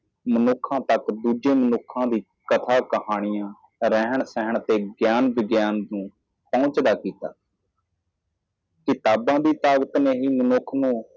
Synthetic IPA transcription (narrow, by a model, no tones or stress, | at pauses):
mənʊkʰːãːt̪əkd̪uːd͡ʒeːmənʊkʰːãːd̪iː | kət̪ʰaːkəhaːɽ̃ɪjãː | ɾəɦəɳsɛɦəɳt̪eːɡjaːnbɪɡjaːnd̪ũː | pɔ̃ːt͡ʃd̪aːkiːt̪a̰ː | kɪt̪aːbãːd̪iːt̪aːɡət̪neːɦiːmənʊkʰnũː